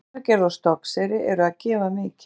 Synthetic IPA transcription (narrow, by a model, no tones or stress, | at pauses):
œcɛɾðɔst̪ɔksɛɾɪʔɛɾʏaðcɛːvamɪc